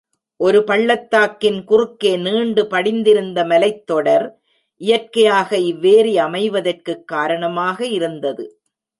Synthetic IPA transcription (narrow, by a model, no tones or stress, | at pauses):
ʔɔɾɯpɐɭːɐt̪ːaːkːɪnkʊrɯkːeːniːɳɖɯpɐɽɪnd̪ɪɾɯnd̪ɐmɐlɐɪt̪ːɔɽɐɾ | ʔɪjɐrkɐjaːɣɐɪʋːeːɾiɐmɐɪʋɐðɐrkɯkːaːɾɐɳɐmaːɣɐɪɾɯnd̪ɐðɯ